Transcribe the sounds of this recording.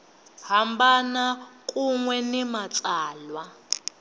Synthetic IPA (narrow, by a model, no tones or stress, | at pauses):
hambanakʼuŋwɛnɛmat͡sʼaːlwa